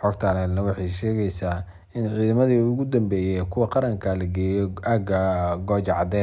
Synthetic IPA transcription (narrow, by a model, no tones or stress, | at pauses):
ħɔɡt̪ʰanɛnɐwɑħɑjʃɛːɣɛjsaː | ɪnʕiːðɐmɐðiʊɣʊd̪ɐmbɛːjɛkʰʊwɐqɑɾɐŋkʰɐlɐɡɛːjɔʔaɡɐɡɔːt͡ʃɑʕɑd̪ɛː